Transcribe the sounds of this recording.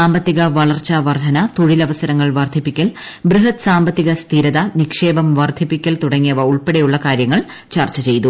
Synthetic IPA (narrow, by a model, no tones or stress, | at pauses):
aːmbɐt̪ːiɣɐʋɐɭɐrt͡ɕːɐʋɐrd̪ʱɐnɐt̪oɻilɐʋɐsɐɾɐŋːɐɭʋɐrd̪ʱipːikʲːɐl | brɨɦɐt̪saːmbɐt̪ːiɣɐst̪ʰiːɾɐðɐnikʂe̞ːbɐmʋɐrd̪ʱipːikʲːɐlt̪uɽɐŋːijɐʋɐuɭpeɽejuɭːɐkaːɾjɐŋːɐɭ | t͡ɕɐrt͡ɕːɐt͡ɕe̞jt̪u